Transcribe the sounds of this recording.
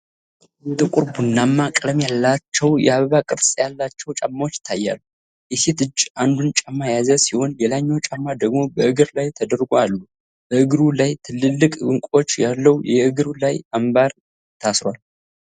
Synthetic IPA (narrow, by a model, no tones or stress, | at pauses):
t̪ɨkʼuɾbunːamːakʼləmjalːat͡ʃːɛwjɛ̰aβəβakʼɨɾsʼjalːat͡ʃːɛwt͡ʃʼamːawot͡ʃːɪ̥t̪ʰːajːa̰lːu | jɛse̞t̪ɨd͡ʒʔand̪unt͡ʃʼamːajazəsiho̞nlelaɲːawt͡ʃʼamːad̪əɡmo̞bəʔɨɡɨɾlajt̪ʰəd̪əɾɡoalːu | b̥əʔɨɡɨɾulajt̪ʰɨlːɨlːɨkʼɨŋkʷʼo̞t͡ʃːjalːəwjɛɨɡɨɾulajambaɾ | t̪ʰasɾwal